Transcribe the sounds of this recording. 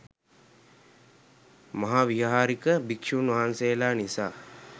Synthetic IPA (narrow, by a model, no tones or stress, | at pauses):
maɦaːʋiɦaɦaːɾikəbikʂuːnʋaɦansejəlaːnisaː